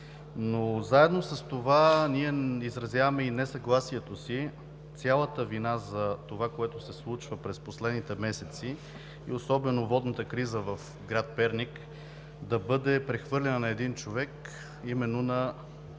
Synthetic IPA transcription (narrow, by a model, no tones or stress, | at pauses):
nozaɛd̪nosɐst̪ovaniɛizɾɐzʲjavɐmɛinɛsɐɡlˠasiɛt̪osi | t̪sʲjalˠət̪əvinazɐt̪ovakoɛt̪osɛslˠut͡ʃvəpɾɛsposlɛd̪nit̪ɛmɛsɛt̪si | ḭosɔbɛnovɔd̪nət̪əkɾizəvɐf | ɡɾat̪̚pɛɾnik | d̪ɐbɤd̪ɛpɾɛxvɤɾlʲɛnənɐɛd̪int͡ʃovɛk | imɛnːonɐ